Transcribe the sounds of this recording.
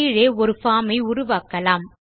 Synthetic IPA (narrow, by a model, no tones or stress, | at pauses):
ɻeːɔɾɯfaːmɐɪʊɾʊʋaːkɐlaːm